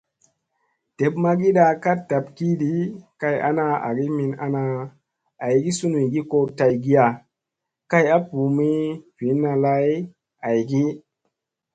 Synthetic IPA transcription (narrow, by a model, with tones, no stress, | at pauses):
te˨pma˦ɡi˦ɗa˧ka˦t̚da˨pki˦ɗi˦ka˧ja̰˦na˧a̰˨ɡi˦mi˧na̰˦na˧ | a˨jɡi˦su˦nu˨jɡi˦ko˦ta˨jɡi˦ja˨ | ka˦ja˦pu˨mi˦v̥i˨˦nːa˧la˦j | a˨jɡi˦